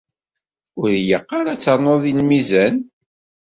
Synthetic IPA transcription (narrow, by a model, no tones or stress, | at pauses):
ʊɾjəqːɑɾat͡sːɑɾnːoðˤinmizæn